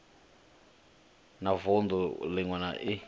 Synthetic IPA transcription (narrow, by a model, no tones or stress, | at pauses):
navɔnd̪ɔlɪŋwana̰ʔi